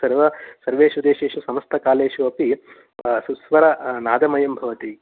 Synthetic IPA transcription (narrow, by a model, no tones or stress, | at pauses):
sɐɾʋɐsɐɾʋeːʃud̪eːʃeːʂusɐmɐst̪ʰɐkaːleːʃuɐpi | susʋɐɾɐnaːd̪ɐmɐjɐmbʱɐʋɐt̪i